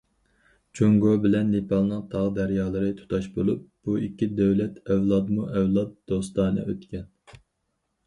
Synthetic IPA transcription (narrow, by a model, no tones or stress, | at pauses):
t͡ʃʰoŋɡobɪlɛnːepɑlˠnɨŋt̪ʰɑʁd̪æɾjɑːlˠɨɾɨt̪ʰu̥t̪ʰɑʃbolˠup̚b̥uikʲːid̪øwlɛt̪ʰɛwlˠɑd̪muʔɛwlˠɑt̪̚d̪̥ost̪ɑːnɨ̰ʔøt̪kʲɛn